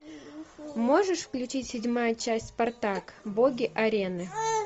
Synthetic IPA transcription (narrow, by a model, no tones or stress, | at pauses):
mo̞ʐɨʂfklʲʉt͡ɕitʲsʲɪdʲmajət͡ɕæsʲtʲspɐrt̪akboɡʲɪʔɐɾʲenɨ